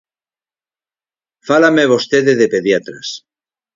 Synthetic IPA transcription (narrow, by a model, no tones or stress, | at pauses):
falameβost̪eðeðepeðjat̪ɾa̰s